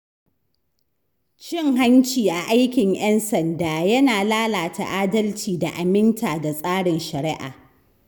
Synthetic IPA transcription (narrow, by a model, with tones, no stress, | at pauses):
t͡ʃɪ˦ŋɦa˦nt͡ʃiː˨ʔa˨ʔa˦jkʲɪ˨ŋj̰ɛ˦nsɐ˨ndaː˨jɐ˦naː˨laː˦laː˨ta̰˨ʔaː˦dɐ˦lt͡ʃiː˨da˨ʔa˨mɪ˦ntaː˨da˨sʼaː˦ɽɪ˨nʃɐ˨ɾɪ˦ʔa̰ː˨